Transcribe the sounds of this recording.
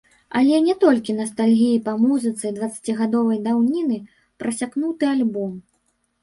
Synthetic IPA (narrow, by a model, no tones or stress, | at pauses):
ɐ̰lʲɛnʲɛt̪ɔlʲkʲinɐst̪alʲɣʲijipamuzɨt̪sɨjd̪vɐt̪sːḁt͡sʲiɣad̪ɔvɐjd̪awnʲinɨ | pɾɐsʲaknut̪ɨalʲbɔm